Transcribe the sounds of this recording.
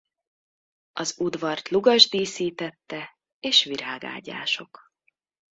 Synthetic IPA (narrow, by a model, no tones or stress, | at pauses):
ɒzud̪vɒrt̪luɡɒʒd̪iːsiːt̪ɛt̪ːɛ | eːʃʋiɾaːɡa̰ːɟa̰ːʃo̞k